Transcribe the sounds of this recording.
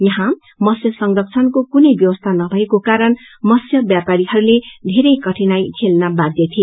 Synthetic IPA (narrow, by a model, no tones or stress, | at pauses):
jʌɦã | mʌsjʌsʌŋrʌkt͡sʰʌnkokunʌjbjʌwʌst̪ʰanʌbʱʌekokaɾʌn | mʌsjʌbjapaɾiɦʌɾuled̪ʱeɾʌjkʌʈʰinajkʰelnabadd̪jʌt̪ʰie